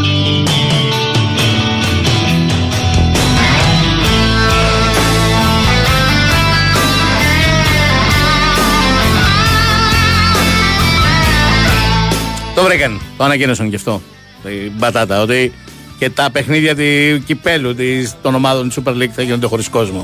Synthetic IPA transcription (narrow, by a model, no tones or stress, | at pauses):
t̪o̞vɾikɐnt̪oɐnɐcinosɐŋceft̪o̞ | ibɐt̪ɐt̪ɐo̞t̪i | ce̞t̪ɐpe̞xniðʝɐt̪̬icipe̞lut̪ist̪o̞nomɐðont̪isupeɾliɡθɐʝinod̪e̞xoɾisko̞zmo